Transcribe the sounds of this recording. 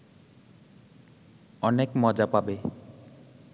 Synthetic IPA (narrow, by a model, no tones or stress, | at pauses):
ɔnekmɔd͡ʒapabe